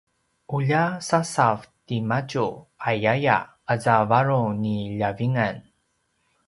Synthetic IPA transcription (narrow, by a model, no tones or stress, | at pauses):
ʔuʎasasavtimacuajaja̰ | əzavaɾuniʎaviŋan